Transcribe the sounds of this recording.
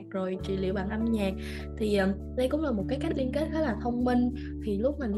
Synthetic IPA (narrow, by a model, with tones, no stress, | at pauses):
k̚zo˨˩jt͡ɕḭ˧˨lḭ˧˨əwɓa̰ː˧˨nʔa˧mɲaː˨˩k̚ | t̪ʰi˨˩ʔəː˨˩ | ɗə˧jkʊ̰˧˥ŋ͡mlaː˨˩mo˨˩t̚kaː˨˦jka˦˥k̟̚li˧ənke˦˥t̚kaː˨˦laː˨˩t̪ʰə˧wŋ͡mmï˧ŋ̟ | t̪ʰi˨˩lʊ˦˥k͡p̚ma˨˩ŋ